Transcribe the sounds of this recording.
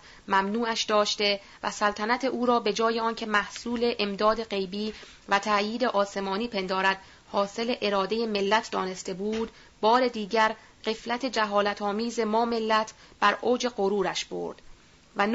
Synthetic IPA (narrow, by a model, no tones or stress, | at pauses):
mæmnuːæʃd̪ɒːʃt̪e̞ | væ̰sælt̪ʰænæt̪ʰe̞ʔuːɾɒːbe̞d͡ʒɒːje̞ɒːncʰe̞mæhsuːle̞ʔemd̪ɒːd̪e̞ɢe̞jbiː | væt̪ʰæjiːd̪eʔɒːse̞mɒːniːpʰe̞nd̪ɒːɾæd̪̥ | hɒːse̞le̞ʔeɾɒːd̪e̞je̞me̞lːæt̪ʰd̪ɒːne̞st̪e̞buːd̪ | bɒːɾe̞d̪iːɟæɾ | ɢe̞flæt̪ʰe̞d͡ʒæɦɒːlæt̪ʰɒːmiːzemɒːme̞lːæt̪ʰb̥æɾʔo̞ːd͡ʒe̞ɢoɾuːɾæʃb̥o̰ɾd̪̥ | væn